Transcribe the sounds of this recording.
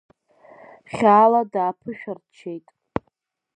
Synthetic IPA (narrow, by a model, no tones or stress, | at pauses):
χʲaːladaːpʰɨʃᶣart͡ʃʰe̞jtʼ